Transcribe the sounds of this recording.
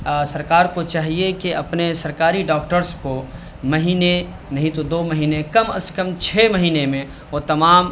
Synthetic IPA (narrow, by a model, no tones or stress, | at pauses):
sɐɾkaːɾkot͡ʃaːɦiekeʔɐpnesɐɾkaːɾiɖɔːk̚ʈəɾsko | mɐɦiːne | nɐɦĩt̪od̪oːmɐɦiːnekɐmɐ̰skəmt͡ʃʰeːmɐɦiːnemẽ | ɔːt̪ɐmaːm